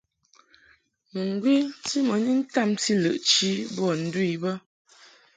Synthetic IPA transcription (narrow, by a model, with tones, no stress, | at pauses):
mə˨ŋ˨ɡwi˦ti˦mə˨˦ni˦n̩˦ta˦˨mti˦lə˨ʔt͡ʃi˦bɔ˦˨n̩˦dwi˦˨bə˦